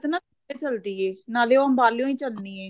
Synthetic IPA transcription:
t̪nãː | eːt͡ʃəld̪iːeːnaːleːoəmbaːljõːĩːt͡ʃəlniːeː

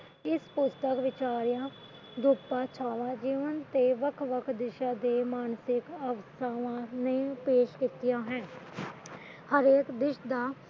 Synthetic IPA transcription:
ɪspʊst̪əkʋɪt͡ʃaːɾjãː | d̪upaːt͡ʃʰaːʋãːd͡ʒiːʋənt̪eːʋəkʰʋəkʰd̪ɪʃãːd̪eːmaːnsɪkəʋəst̪ʰaːʋãːnẽːpeːʃkɪt̪ɪjãːɦɛ̃ː | həɾeːkd̪ɪʃd̪aː

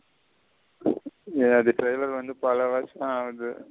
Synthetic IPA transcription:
eɐðɯʈɾɐɪlɐɾʋɐnd̪ɯpɐlɐʋaːt͡ʃːãːʋɐðɯ

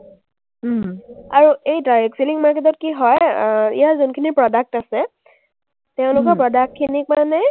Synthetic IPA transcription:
aɹuejtajeksiliŋmaɹketɔt̚kiɦɔjḭjazunkʰinipɹɔdak̚tasɛ | teʊ̃lʊkɔɹpɹɔdak̚tʰːinik̚manɛ

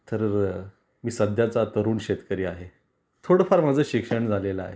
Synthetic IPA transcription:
t̪əɾ | miːsəd̪ʱjat͡sat̪əɾuːnɕet̪kəɾiːaɦe | t̪ʰoɽəfaɾmad͡zʱəːɕikʂəɳd͡zʱalelaa̰ɦe

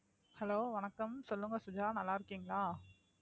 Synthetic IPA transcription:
hɐloːʋɐnɐkːɐmsɔlːɯŋɡɐsʊd͡ʒaːnɐlːaːɪɾɯkːiːŋɡɐɭaː

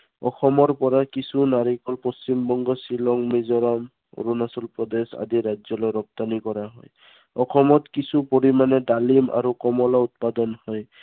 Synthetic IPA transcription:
ɔxɔmɔɹpɔɹakisunaɹikɔlpost͡ʃimbɔŋɡɔsilɔŋmezɔɾɔm | o̰ɹunasɔlpɹɔd̪esa̰diɾad͡ʒzɔlɔjɾɔp̚t̪anikɔɹaɦɔj | ɔxɔmɔtkisupoɹimanɛdalima̰ɹukɔmɔlaut̪̚padɔnhɔj

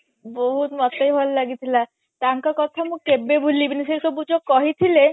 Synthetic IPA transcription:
boɦut̪mɔt̪ajɦɔllaɡit̪ʰila | t̪aŋkakɔt̪ʰamũkkebːebʱulːibinisesɔbud͡ʑokːɔɦit̪ʰile

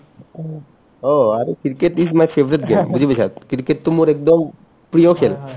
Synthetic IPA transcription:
oaɾekiɾkeʈːismajfʰebɾit̪̚ɡembud͡ʑʱibesʰadkiɾkeʈt̪umuɾek̚d̪ɔm | pɾijokʰel

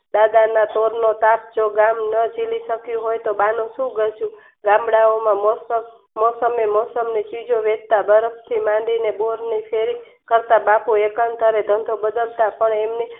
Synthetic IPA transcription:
d̪ad̪anat̪oɾnot̪ap̚d͡ʒoɡamnəd͡ʒiliʃəkjũɦojt̪obanũʃũɡət͡ʃʰũ | ɡãmbɽaomãmosə | mɔsəmemɔsəmnet͡ʃid͡ʒoʋed̪̚t̪abəɾəpʰt̪ʰimãɳɖineboɾnipʰeɾi | kəɾt̪abapuekənt̪əɾed̪ʱənd̪ʱobəd̪əlt̪apəɳemni

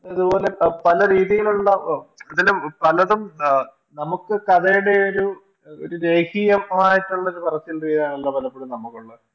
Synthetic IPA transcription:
ɐðubo̞ːle̞pɐlɐɾiːðijiluɭːɐɐðɐlumpɐlɐðum | nɐmukːɨkɐðɐjuɽe̞oɾu | o̰ɾuɾe̞ːhijɐmmaːjitːuɭːɐoɾupɐrɐsːijilriːðijaːɳɐlːɐpɐlɐpːeɽumnɐmːukːuɭːɐð

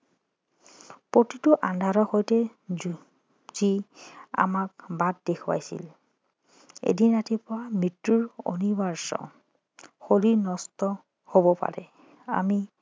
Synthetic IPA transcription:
potitʊʔandʱaɹɔxojtɛ | z̥ia̰mak̚bat̚dekʰwa̰jsḭl | ḛdinatipʊɹamitːuɹo̰nibaɹsɔ̰ | xoliɹnɔstɔ | hobɔpa̰ɹɛ | a̰mi

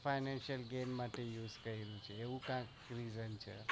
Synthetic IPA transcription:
fʰajnɛnʃəlɡenmaʈejuzkəɾiɾjũt͡ʃʰeːʋũkãk | ɾizənt͡ʃʰḛ

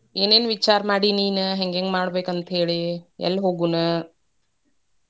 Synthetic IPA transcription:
eːneːnʋit͡ʃaːɾmaːɽiniːnɨɦeŋɡeŋɡmaːɽbeːkɐnt̪ʰeːɭiɛ̰lːɦoːɡunɨ

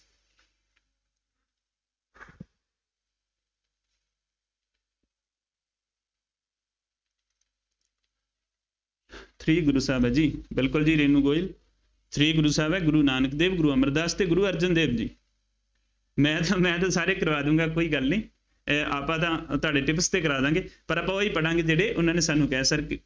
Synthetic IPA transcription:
t̪ʰɾiːɡʊɾuːsaːbɛːd͡ʒiːbɪlkʊld͡ʒiːɾeːnũːɡoːil | t̪ʰɾiːɡʊɾuːsaːbɛːɡʊɾuːnaːnəkd̪eːbɡʊɾuːəməɾd̪aːst̪eːɡʊɾuːəɾd͡ʒənd̪eːbd͡ʒḭː | mɛ̃ːt̪ãːmɛ̃ːt̪̬ãːsaːɾeːkəɾʋaːd̪ũːɡaːkoːiːɡəlnĩː | aːpãːt̪ãːt̪ʊaːɖeːʈɪpst̪eːkəɾaːd̪ãːŋɡeːpəɾapãːoːiːpəɽãːŋɡeːd͡ʒeːɽeːʔʊnãːneːsaːnːũːkɛːsəɾk

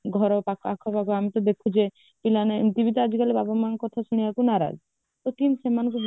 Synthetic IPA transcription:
ɡʱɔɾɔpakʰɔakʰɔpakɔamit̪ɔd̪ekʰud͡ʒe | pilanet̪ibit̪ɔad͡ʒikalebabɔmankɔt̪ʰasuɽ̃ijakunaɾa̰d͡ʒ | t̪ot̪insemanɔkub

